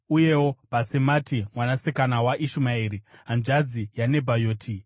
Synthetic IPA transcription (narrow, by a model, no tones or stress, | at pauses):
uje̞wo̞basematimwanasekanawaʔiʃumaiːɾiɦand͡ʒad͡zijane̞bʱajoːtʰi